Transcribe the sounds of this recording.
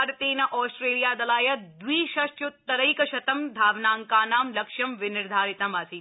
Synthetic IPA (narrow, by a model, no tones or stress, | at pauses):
ɾɐt̪eːnɐʔɔːsʈɾeːlijaːd̪ɐlaːjɐd̪ʋiːʃɐʃt̪jut̪ːɐɾɐjkɐʃɐt̪ɐmd̪ʱaːʋnaːŋkaːnaːmlɐkʃjɐmʋɪnɪɾd̪ʱaːɾit̪ɐmasi